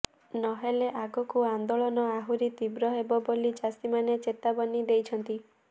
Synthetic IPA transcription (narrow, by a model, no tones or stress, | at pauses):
nɔɦeleʔaɡɔkuand̪oɭɔnɔaɦuɾit̪ibɾɔɦebɔbolit͡ʃasimanet͡ʃet̪abɔnid̪ejt͡ʃʰɔnt̪i